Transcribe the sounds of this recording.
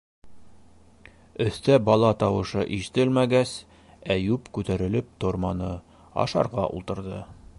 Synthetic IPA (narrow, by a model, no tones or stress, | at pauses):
ɵ̆θt̪æbɒlˠɑt̪ɑwɤ̆ʃɤʔiʃɘ̥̆t̪ɘlmæɡæs | æjʉpkʉt̪æɾɘ̆lɘp̚t̪oɾmɑnɤ | ɑ̰ʃɑ̰ɾʁɑʔṵlˠt̪ɤ̆ɾd̪ɤ